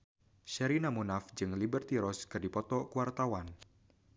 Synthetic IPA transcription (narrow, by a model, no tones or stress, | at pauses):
ʃɛɾinamunafd͡ʒɨŋlibərt̪iɾɔskɨrdipɔt̪ɔkuwart̪awan